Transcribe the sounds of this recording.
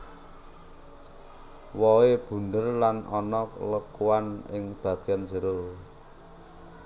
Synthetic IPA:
wɔeb̥ṳndərlanɔnɔkləkuanɪŋb̥ä̤ɡ̥ianzəɾo

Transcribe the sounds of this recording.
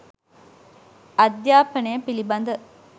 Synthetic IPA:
ɐd̪jaːpɐnejəpilibɐnd̪ə

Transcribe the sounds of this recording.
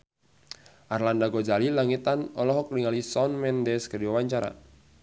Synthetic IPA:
ʔarlandaɡɔd͡ʒalilaŋit̪anɔlɔɦɔk̚liŋalisɔnmɛndɛskədiwawaɲt͡ʃaɾa̰

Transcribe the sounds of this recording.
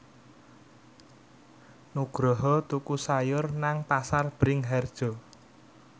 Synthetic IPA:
nuɡ̥ɾɔɦɔt̪ukusajʊrnaŋpasarb̥ɾɪŋɦɛrd̥ʒ̥ɔ̤

